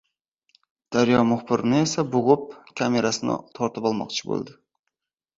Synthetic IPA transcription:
d̪̥aɾjɒmʊχbɪɾɪnɪesabʊʁɨp̚kʲʰame̞ɾasɪnɪ̰t̪ʰɒɾt̪ɪpɒlˠmɒ̰qt͡ʃʰɪ̥bo̰lˠd̪ɪ

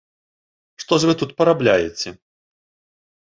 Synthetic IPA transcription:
ʂt̪ɔʂvɨt̪ut̪pɐɾablʲajɛt͡sʲɛ

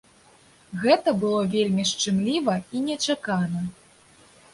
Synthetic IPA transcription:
ɣɛt̪ɐbɨlˠɔvʲelʲmʲiʂt͡ʂɨmlʲivɐinʲɛt͡ʂakanɐ

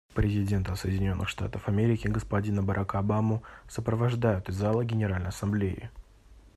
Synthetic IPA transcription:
pɾʲɪzʲɪdʲe̞nt̪əsəjɪdʲɪnʲo̞nːʔɨxʂt̪a̰t̪əfɐmʲeɾʲɪkʲɪɡəspɐdʲinəbɐɾʔakəɐbamɨsəpɾəvɐʐd̪ajʊt̪ɨzːalˠəɡʲɪnʲɪɾalʲnəjɐsɐmblʲejɪ̰

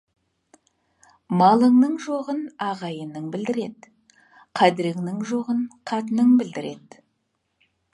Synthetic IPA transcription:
mɑlˠəɴnəɴʒoʁənɑʁɑjənəɴbɪld̪ɪɾe̞d̪ | qʰæd̪ɪɾɪŋnɪŋʒo̞ʁənqʰɑt̪ənəŋbɪld̪ɪɾe̞d̪

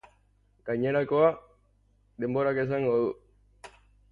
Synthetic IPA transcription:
ɡ̥ajɲeɾakoa | d̪e̞mboɾakes̬aŋɡoðu

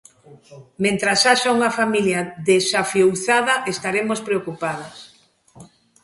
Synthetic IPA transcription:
mẽnt̪ɾasaʃauŋɐfamiljaðesafjowθaðɐʔest̪aɾemospɾeokupað̞as

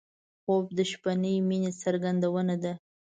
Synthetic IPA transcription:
xob̚d̪əʃpanəjminesaɾɡand̪awənad̪a

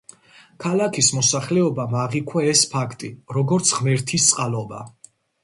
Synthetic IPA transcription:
kʰalakʰismɔsaχlɛɔbamaʁikʰwɛɛspʰakʰt̪ʼiɾɔɡɔɾt̪sʰʁmɛɾt̪ʰist̪sʼqʼalɔba̰

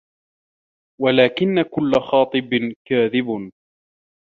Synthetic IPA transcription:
walaːkɪnːakʊlːaxɑːt̪ˤɨbkaːðɪb

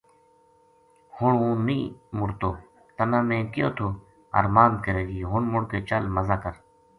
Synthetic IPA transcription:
hʊɳũːnĩːmʊɾt̪oː | t̪ənãːmẽːkɪjo̰ːt̪ʰoː | ə̰ɾmaːnkəɾeːɡiːɦʊɳmʊɽkeːt͡ʃəlməzaːkəɾ

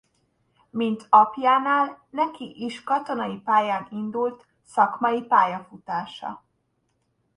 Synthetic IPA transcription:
mint̪ɒpjaːnaːlnɛkiʔiʃkɒt̪o̞nɒipaːjaːnind̪ult̪ | sɒkmɒjipaːjɒfut̪aːʃɒ̰

